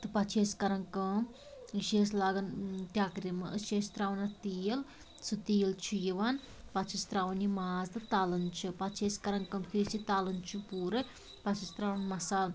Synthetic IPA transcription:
t̪ɨpɐt͡ʃʰeskɐɾɐnkɐːm | ɨʃeːslaːɡɐnt̪ʲaːkɾimɨʔəʃest̪ɾaːʋɐnɐt̪ijɐl | sut̪iːɐlt͡ʃʰujiʋan | pat͡ʃʰist̪ɾaːʋɐnimaːzt̪ɨt̪aːlɐnt͡ʃʰipat͡ʃʰeːsʲkɐɾɐnkɐmkʰisit̪aːlɐnt͡ʃʰupuːɾɨ | pɐt͡ʃʰist̪ɾaːʋɐnmɐsaːl

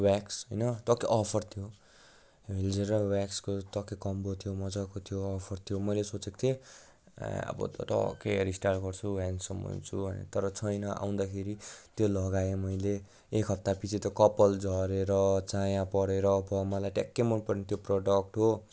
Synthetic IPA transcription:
waksɦʌjnʌt̪ʌkeʔʌpʰʌrt̪ʰijo | ɦeld͡zeɾʌwakskot̪ʌkekʌmbot̪ʰijomʌd͡zakot̪ʰijoːpʰʌrt̪ʰjomʌjlesot͡sekt̪ʰḛ | ʌ̰bʌ̰t̪ʌ̰t̪ʌ̰keɾisʈarʈɡʌrt͡sʰuwansʌmʌ̰nt͡sʰuʌ̰nḛt̪ʌɾʌt͡sʰʌjnʌʔa̰w̃nd̪akʰeɾit̪jolʌɡajemʌjleː | kɦʌp̚t̪apit͡sʰit̪ʌkʌpʌld͡zʱʌɾeɾʌt͡sajãpʌɽeɾʌːbʌmʌlajʈekːemʌnpʌrnit̪joproɖʌk̚ʈɦo

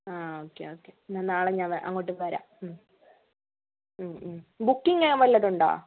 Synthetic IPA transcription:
aːoːkːḛoːkːenɐnːaːɭeɲaːnʋɐʔɐ̰ŋːoʈːɨʋɐɾa̰ːm | mmbukːiŋɡɐʋɐlːɐɾuɳɖa̰ː

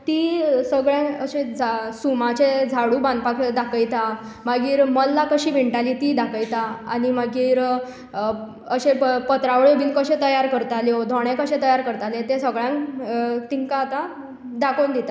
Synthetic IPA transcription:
t̪isəɡɭjãəɕẽd͡zasumat͡ɕed͡zʱaɽuːbãnd̪pakd̪akəjt̪a | maɡiːɾməlːakəɕiːbiɳʈaliːt̪iːd̪akəjt̪aanimaɡiːɾ | əɕẽpət̪ɾaʋəɭobiːnkəɕẽt̪əjaɾkəɾt̪aljod̪ʱɔɽ̃ẽkəɕẽt̪əjaɾkəɾt̪alet̪esəɡɭjãŋkt̪iŋkaːt̪a | d̪akond̪it̪a

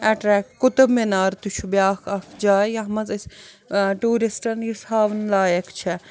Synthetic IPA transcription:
ɛʈɾɛːkkut̪ɐmenaːɾt̪ut͡ʃʰubjaːkʰɐfʰd͡ʒaːjɐɦmɐzis | ʈuːɾisʈɐnjisaːʋnlaːjɐkt͡ʃʰɛ

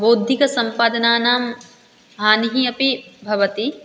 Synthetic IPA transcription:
boːd̪ʱikɐsɐmpaːd̪ɐnaːnaːm | ɦaːniɦiɐpibʱɐʋɐt̪i

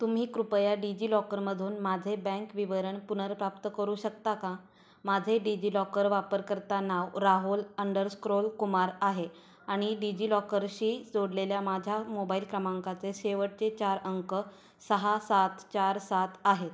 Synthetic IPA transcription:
t̪um̤iːkɾupjaɖid͡ʑiːlɔkəɾməd̪ʱuːnmad͡zʱebɛ̃ŋkʋiʋəɾəɳpunəɾpɾapt̪əkəɾuːɕək̚t̪aka | mad͡zʱeɖid͡ʑiːlɔkəɾʋapəɾkəɾt̪anaʋɾaɦuləɳɖəɾskɾolkumaɾaɦe | aɽ̃iɖid͡ʑiːlɔkəɾɕiːd͡zoɽleljamad͡ʑʱjamobailkɾəmaŋkat͡seseʋəʈ̚t͡set͡ɕaɾəŋkə | səɦasat̪t͡ɕaɾsat̪ʰaɦet̪

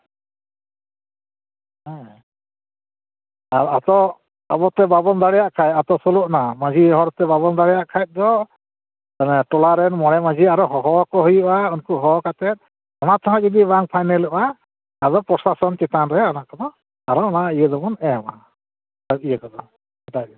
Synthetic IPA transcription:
ɦɛ̃ | aɾat̪ɔ | abɔt̪ɛbabɔnd̪aɽɛjaʔkʰajt̪at̪ɔsɔlɔʔnamad͡ʒiɦɔɾɔt̪ɛbaβɔnd̪aɽɛjaʔkʰajt̪̚ˀd̪ɔ | nɛʈɔlaɾɛnmɔɽɛmad͡ʒiaɾɔɦɔɦɔkɔɦujɔʔaunkuɦɔkat̪ɛt̪̚ˀ | ɔnat̪ɔɦãd͡ʒɔd̪ibaŋpʰajnɛlɔʔaː | d̪ɔpɾɔsasɔnt͡ʃɛt̪anɾɛɔnaʔkɔnɔ | aɾɔɔnaʔijəd̪ɔmɔnɛɔma̰ | aijəkɔd̪ɔ | ɛtaj̚

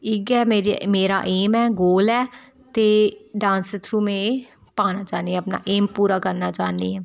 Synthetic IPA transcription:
ɪɡɛːmeːɾimeːɾa̰ːʔeːmɛːɡoːlɛː | t̪eːɖãːnsət̪ʰɾuːmẽː | paːnaːt͡ʃaːnd̪iːɛ̃əpna̰ːʔeːmpuːɾaːkəɾnaːt͡ʃaːndiːɛː

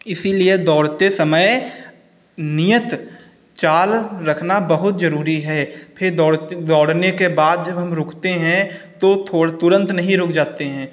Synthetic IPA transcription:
ɪsilied̪ɔːɽt̪esɐməj | nijət̪ | t͡ʃaːlɾɐkʰnabɐɦʊt̪zɐɾuːɾiɦɛːpʰɪɾd̪ɔːɽd̪ɔːɽnekebaːd̪̚d͡ʒɐbɦɐmɾʊːkʰt̪eɦɛ̃t̪ot̪ʰot̪ʊɾə̃nt̪nɐɦĩɾʊːkʰd͡ʒaːt̪eɦɛ̃ː

